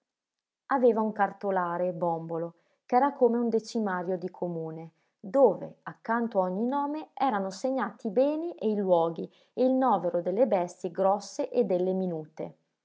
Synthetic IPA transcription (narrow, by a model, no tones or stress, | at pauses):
aveːvauŋkart̪olaːɾebɔmbolo | kɛːɾakoːmeund̪et͡ʃimaːɾjod̪ikʰomuːne | d̪oːvḛakːant̪oaoɲːinɔːmeɛːɾanoseɲːaːt̪iːbɛːniʔeilwɔːɡi | eilnɔːveɾod̪elːebɛst̪jiɡɾɔsːeʔed̪ːelːeminuːt̪ḛ